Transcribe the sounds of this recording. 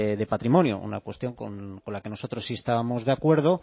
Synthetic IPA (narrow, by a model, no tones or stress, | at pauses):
ðe̞pat̪ɾimo̞njo̰ʔṵna̰kwe̞st̪jo̞ŋko̰nko̞nlakeno̞so̞t̪ɾosːiest̪aβamo̞zðeakwe̞ɾð̞o̞